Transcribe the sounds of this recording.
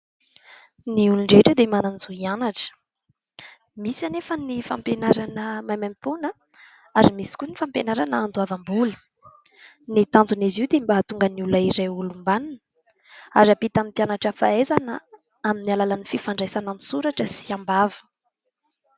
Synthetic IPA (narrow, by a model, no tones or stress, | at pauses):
niuluɳɖ͡ʐeʈ͡ʂəd̪emananizuianaʈ͡ʂə̥ | misanefənifa̰mpenaɾanəmajmamipunə | aɾimisi̥kʲunifampenaɾanəːnd̪uavambulə̥ | nit̪ãnd͡zuniziwd̪embat̪uŋɡənulaiɾejulumbanunə̥ | a̰ɾapit̪amipjanaʈ͡ʂəfa̰ezanə | aminialalanififaɳɖ͡ʐejsanənisuɾaʈ͡ʂəsi̥ambavə̥